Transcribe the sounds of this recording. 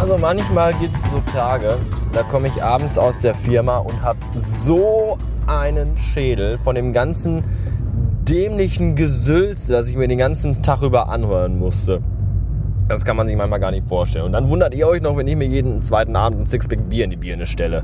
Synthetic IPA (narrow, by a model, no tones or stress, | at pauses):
ʔalzomançmaːlɡiːp̚tɛszoːtʰaːɡəd̥aːkʰɔməɪçʔaːbm̩sa̰ʊsd̥eːɐfɪɐmaʔʊnthaːbəzoː | ʔaɪnənʃeːdl̩fɔndeːmɡant͡sn̩ | d̥ɛːmlɪçn̩ɡəzʏlt͡səd̥asɪçmiːɐdeːnɡant͡sn̩tʰaχʁyːbɐʔa̰nhøːʁənmʊstə | d̥askʰanmanzɪçmançmaːlɡaːɐnɪçtfoːɐʃtɛlnʊntd̥anvʊndɐtʔiːɐɔʏçnɔχvɛnɪçmiːɐjeːdn̩t͡sv̥aɪtn̩ʔa̰ːbm̩tn̩t͡sɪksb̥ɛk̚biːɐɪndibiːɐnəʃtɛlə